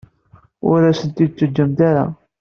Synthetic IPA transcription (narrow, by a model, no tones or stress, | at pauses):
ʊ̰ɾæsənt̪id̪̚t͡sːəd͡ʒːəmt̪aɾa̰